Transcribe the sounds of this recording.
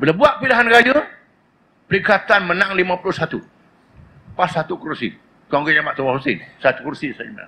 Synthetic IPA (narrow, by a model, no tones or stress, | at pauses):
bənəbuaʔ̚piliɦanrajə | pəɾikat̪anmənãŋlimãpuluhsat̪u | pasːat̪ukuɾsḭ | t̪uaŋɡoɲamaʔt̪uwahusɪnsat̪ukuɾsisana̰